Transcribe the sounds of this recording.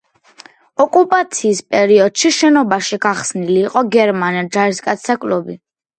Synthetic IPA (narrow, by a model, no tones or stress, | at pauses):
ɔkʼupʼat̪sʰiːspʼɛɾiɔd̪̥ʃiʃɛnɔbaʃiɡaχsniliːqʼɔɡɛɾmanɛd͡ʒaɾiskʼat̪sʰakʼlɔbi